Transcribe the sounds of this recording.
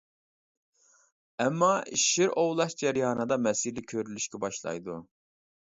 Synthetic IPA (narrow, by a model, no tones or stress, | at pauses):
ɛmːɑiʃɪɾowlˠɑʃd͡ʒɛɾjɑːnɨd̪ɑmɛsiɾlɪkʲʰːøɾylyʃkʲʰɛbɑʃlˠɑ̰jd̪u